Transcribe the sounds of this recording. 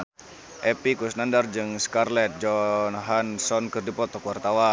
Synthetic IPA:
ʔɛpikusnandard͡ʒɨŋskarlɛt̪̚d͡ʒɔnɦansɔnkɨrdipɔt̪ɔkwart̪awa

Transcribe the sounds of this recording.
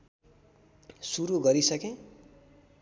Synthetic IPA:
suɾuɡʌɾisʌkẽ

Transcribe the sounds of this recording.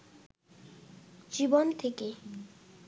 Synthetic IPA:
d͡ʑibont̪ʰeke

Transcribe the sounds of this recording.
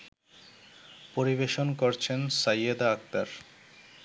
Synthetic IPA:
poɾiβeʃonkoɾt͡ɕʰensajad̪aak̚t̪aɾ

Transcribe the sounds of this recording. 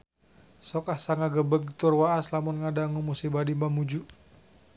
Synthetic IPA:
sɔkahsaŋaɡəbəɡt̪ʊrwaaslamʊnŋadaŋumusibadimbamud͡ʒu

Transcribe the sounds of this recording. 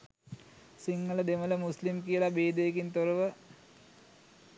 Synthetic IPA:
siŋːələd̪emələmuslimkijəlabeːd̪ejekint̪oɾəʋə

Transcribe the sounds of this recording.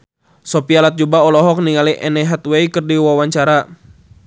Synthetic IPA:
sɔpialat̪̚d͡ʒubaɔlɔɦɔk̚niŋaliʔɛnɛɦat̪wejkɨrdiwawaɲt͡ʃaɾa

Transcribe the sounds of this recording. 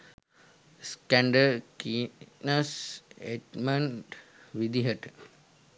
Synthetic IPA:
skæɳɖəɾkinɐseʈmɐɳʈʋid̪iɦəʈ

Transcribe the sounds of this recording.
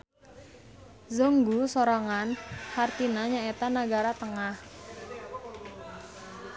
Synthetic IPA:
zoŋɡusoɾaŋanhart̪inaɲaet̪anaɡaɾat̪əŋah

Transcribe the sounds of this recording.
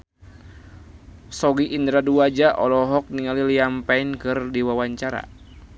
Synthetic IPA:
sɔɡiʔindɾaduad͡ʒaʔɔlɔɦɔk̚niŋaliliampainkɨrdiwawaɲt͡ʃaɾa̰

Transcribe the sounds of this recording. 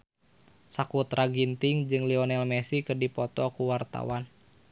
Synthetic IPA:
sakut̪ɾaɡint̪iŋd͡ʒɨŋliɔnɛlmɛsikɨrdipɔt̪ɔkuwart̪a̰wan

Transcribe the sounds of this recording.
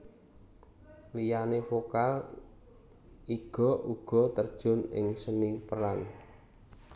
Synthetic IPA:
lijanefokal | iɡ̥ɔ̤ʔuɡ̥ɔ̤t̪ərd̥ʒ̥ɔ̤nɪ̰ŋsənipəɾan

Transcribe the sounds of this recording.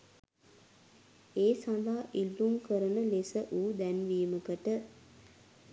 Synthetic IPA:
eːsãd̪aːʔilːumkəɾənəlesəʔuːd̪ænʋiːməkəʈə

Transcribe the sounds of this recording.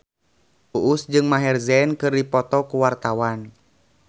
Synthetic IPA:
uʔusd͡ʒɨŋmaɦɛrzɛnkɨrdipɔt̪ɔkuwart̪awan

